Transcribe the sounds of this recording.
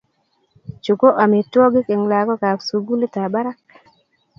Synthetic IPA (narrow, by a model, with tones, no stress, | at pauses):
t͡ʃu˨ko˦ʔa˨me˨twɔ˦ɡɪ˦ke˨ŋla˨ɡɔ˦ka˨psu˨ɡu˦le˦ta˨ba˦ɾa˦k̚